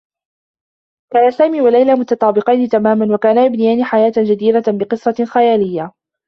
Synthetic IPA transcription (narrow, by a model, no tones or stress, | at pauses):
kaːnasaːmiːwalajlaːmʊt̪ɑt̪ˤɑːbɪqɑjnɪt̪amaːmanwakaːnajabnɪjaːniːħajaːt̪d͡ʒad̪iːɾabɪqɨsˤːɑxajaːlɪjːa